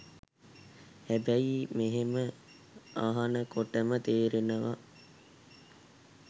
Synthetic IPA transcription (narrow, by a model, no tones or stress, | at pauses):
hæbæimeɦemə | aɦanəkoʈəmət̪eːɾenəʋa